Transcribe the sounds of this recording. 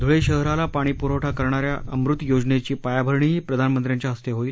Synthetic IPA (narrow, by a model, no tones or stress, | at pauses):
d̪ʱuɭeɕəɦɾalapaɽ̃iːpuɾəwʈʰakəɾɳaɾja̰ʔəmɾut̪jod͡ʑnet͡ɕiːpajabʱəɾɳiɦiːpɾəd̪ʱanmənt̪ɾjaɲt͡ɕjaɦəst̪eɦoiːl